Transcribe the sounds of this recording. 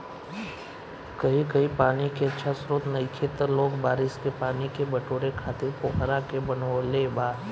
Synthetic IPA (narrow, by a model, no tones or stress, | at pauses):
kɐɦikɐɦipaːnikeətːʃʰasɾoːt̪nɐikʰeːt̪əɾloːɡbaːɾɪskepaːnikebɐʈoːɾekʰaːt̪ɪɾpoːkɾakebɐnolebaː